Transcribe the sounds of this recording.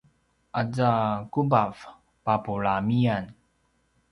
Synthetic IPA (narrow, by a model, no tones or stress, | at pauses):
ʔad͡zakubav | papuɭamian